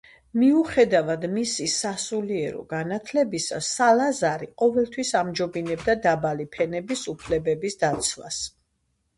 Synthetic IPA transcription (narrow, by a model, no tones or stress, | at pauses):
miuχɛd̪avad̪misisasuliɛɾɔ̰ɡanat̪ʰlɛbisasːalazaɾiqʼɔvɛlˠt̪ʰwisamd͡ʒɔbinɛb̚d̪ad̪abalipʰɛnɛbisupʰlɛbɛbisd̪at̪sʰwa̰s